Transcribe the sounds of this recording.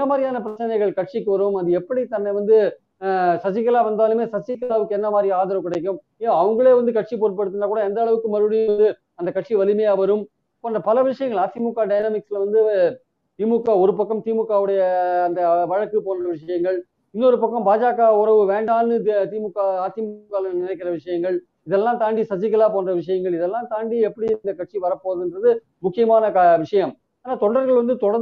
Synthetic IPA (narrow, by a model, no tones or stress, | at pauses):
ɪnːɐmaːɾɪjaːnɐpɪɾɐt͡ʃːɐnɐɪɣɐɭkɐʈ̚ʂikːɯʋɐɾɯmɐðɯɛpːɐɽit̪ɐnːɐʋɐnd̪ɯ | sɐt͡ʃːɪkːɐlaːʋɐnd̪aːlɯmeːsɐt͡ʃːɪkːɐlaːʋɯkːɯɛnːɐmaːd̪ɾiaːðɐɾɐʋkːɪɽɐɪk̬ːɯm | iaɐʋɐŋɡɐɭeːʋɐnd̪ɯkɐʈ̚ʂipoːɾpːɐɽɯt̪ːɯndraːkuːɽɐɛnd̪ɐːɭɐʋɯkːɯmɐɾɯɽɪjɯʋɐnd̪ɯ | ɐnd̪ɐkɐʈ̚ʂiʋɐlɪmɐjaːʋɐɾɯm | kɔnrɐpɐlɐʋɪʂɐjɐŋɡɐɭaːsimukːaːɖɐjnɐmɪksɪlɐʋɐnd̪ɯ | t̪iːmʊkːaːɔɾɯpɐkːɐmt̪iːmʊkːaːʋɯɽɐjɐːnd̪ɐʋɐɻɐkːɯpoːnrɐʋɪʂɐjɐŋɡɐɭ | ɪnːɔɾɯpɐkːɐ̃mbaːd͡ʒaːkaʊɾɐʋɯʋeːɳɖaːnɯt̪iːmʊkːaaːsɪmkːaːlnɪnɐɪkːɪɾɐʋɪʂɐjɐŋɡɐɭ | ɪðɛlːãːt̪aːɳɖisɐɲd͡ʒɪkːɐlaːpoːnrɐʋɪʂɐjɐŋɡɐɭɪðɛlːãːt̪aːɳɖiɛpːɐɽiɪd̪ɐkɐʈ̚ʂiʋɐɾɐpːoːðɯndrɐðɯ | mʊkːɪjɐmaːnɐkʋɪʂɐjɐm | aːnaːt̪ɔɳɖɐɾɣɐɭʋɐnd̪ɯt̪ɔɽɐ